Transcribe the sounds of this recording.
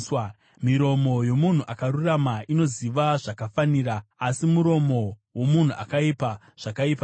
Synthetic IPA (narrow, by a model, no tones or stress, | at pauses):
miɾo̞mojo̞mun̤uʔakaɾuramaʔino̞ziʋaʐakafaniːɾaːsimuɾo̞mo̞wo̞mun̤uʔa̰kaipa | ʐ̥akaipa